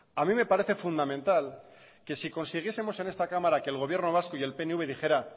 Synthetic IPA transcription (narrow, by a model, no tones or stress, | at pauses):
amĩme̞paɾe̞θe̞fund̪amẽ̞nt̪al | ke̞siko̞nsiɣ̞jese̞mo̞se̞ne̞st̪akamaɾake̞ːlɣo̞β̞je̞ɾno̞β̞asko̞ie̞lpe̞neuβe̞ðixe̞ɾa